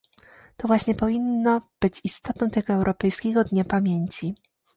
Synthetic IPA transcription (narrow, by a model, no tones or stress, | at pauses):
t̪ɔvwaɕɲɛpɔvʲinːɔb̥ɘt͡ɕist̪ɔt̪nɔ̃w̃t̪ɛɡɔɛwɾʔɔpɛjskʲɛɡɔd̪ɲapamʲjeɲt͡ɕi